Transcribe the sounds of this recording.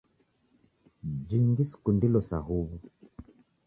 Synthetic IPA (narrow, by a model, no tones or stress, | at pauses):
d͡ʒiŋɡisu̥kundilɔsaɦuβu